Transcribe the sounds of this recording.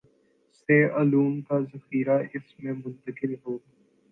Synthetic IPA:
seːaːluːnkazəxiːɾaɪsmẽmʊ̃nt̪əkɪlɦoː

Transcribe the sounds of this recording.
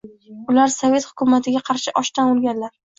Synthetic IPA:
ʊlaɾsove̞t̪hʊkʲʊmat̪ʰɪɡʲaqʰɑɾʃɪʔɒʃt̪anolˠɡʲanlaɾ

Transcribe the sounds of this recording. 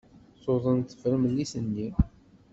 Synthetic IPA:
sˤoðˤənt̪ːə̥fɾəmlːisənːi

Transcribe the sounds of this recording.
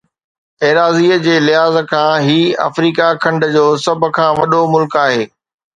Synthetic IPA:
eːɾaːziːəd͡ʑeːlɪɦaːzkʰãːɦiːɐ̰fɾiːkakʰɐ̃ɳɖd͡ʑoːsɐbʱkʰãːʋɐɗomʊlkaːɦeː

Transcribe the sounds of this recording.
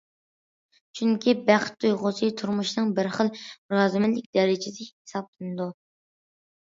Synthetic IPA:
t͡ʃʰyŋkʲʰibæχt̪ːujʁʊsɨt̪ʰuɾmuʃnɨŋbɪɾχəlˠɾɑːzɨmɛt̪lɪk̚ʲd̪ɛɾɪd͡ʒɪsɪhe̥sɑp̚lˠɨnɨd̪u

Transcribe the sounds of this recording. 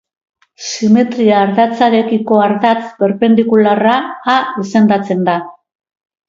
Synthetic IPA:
sime̞t̪ɾiaːɾðat͡saɾe̞kiko̞aɾðat͡sbe̞ɾpe̞nd̪ikularaːise̞nd̪at͡se̞nd̪a

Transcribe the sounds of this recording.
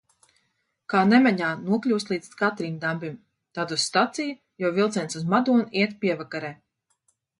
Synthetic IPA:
kaːnɛmɛɲaːnuɔklʲuːst̪lˠiːd̪skat̪ɾind̪ambʲim | t̪ad̪usːt̪at̪sij | jawvilˠt̪sʲɛnsuzmad̪uɔniɛt̪pʲiɛvakaɾɛː

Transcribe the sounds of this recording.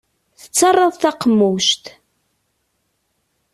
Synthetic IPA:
θə̥t͡sːɑrˤːɑðˤθɑqmːuʃt̪

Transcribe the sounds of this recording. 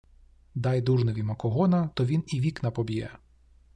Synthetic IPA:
d̪ɑjd̪uʐnɔʋʲimɐkɔɦɔnɐt̪ɔʋʲiniʋʲiknɐpɔbʲijɛ̰

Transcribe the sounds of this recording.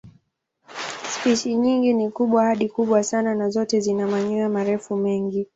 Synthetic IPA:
spiʃiɲiŋɡinikuɓwahaɗikuɓwasananazɔtɛzinamaɲuamaɾɛfumɛŋɡi

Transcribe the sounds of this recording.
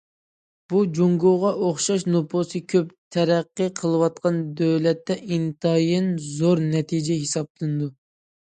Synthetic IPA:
b̥ud͡ʒoŋɡoʁɑʔoχʃɑʃnopʰosɨkʲʰøpt̪ʰɛɾæqːəqʰəlˠɨwɑt̪̚qʰɑnd̪øwlɛt̪ːɛʔint̪ɑjɪnzoɾnɛt̪ʰid͡ʒɛɦisɑblˠɨnɨd̪u

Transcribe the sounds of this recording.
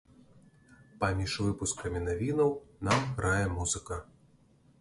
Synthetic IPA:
pɐmʲiʂvɨpuskɐmʲinavʲinɐwnamɣɾʔajɛmuzɨkɐ

